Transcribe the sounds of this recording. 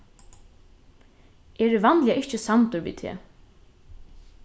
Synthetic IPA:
ɛːɹɪvanljaʔɪht͡ʃəsant̪ʊɾʋḭːt̪ʰɛ̰ː

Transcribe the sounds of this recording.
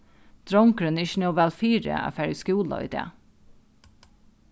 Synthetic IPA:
d̪̥ɾɔŋkɾənɪçnoːʋælfiːɾə̰æ̰ːfæɹjəskuːlɑ̰ḭːd̪ḛː

